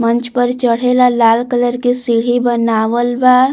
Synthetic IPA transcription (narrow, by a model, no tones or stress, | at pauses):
mənt͡ʃpəɾt͡ʃəɽ̤elalalkələɾkesiɽ̤ibənaʋəlba